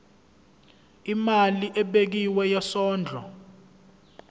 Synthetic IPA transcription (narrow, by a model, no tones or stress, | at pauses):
imaliʔɛɓek̬iwɛjasɔːnd͡ɮʱɔ̰